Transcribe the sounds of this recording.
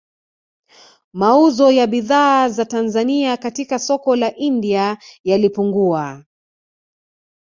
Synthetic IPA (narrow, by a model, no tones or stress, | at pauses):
mauzɔjaɓiðaːzatanzaniakatikasɔkɔlaʔindiajalipuŋɡua